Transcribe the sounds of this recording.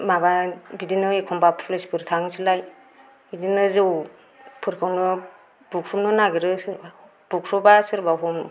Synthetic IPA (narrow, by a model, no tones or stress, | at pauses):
mababidinɯekʰɔmbapʰulesbʰɯɾtʰaŋsʰɯlaj | bidinɯzɯw | pʰɯɾkʰɯwnɯ | bukʰɾumnɯnaɡiɾɯsɯɾba | b̥ukʰɾɔbasɯɾbaɦum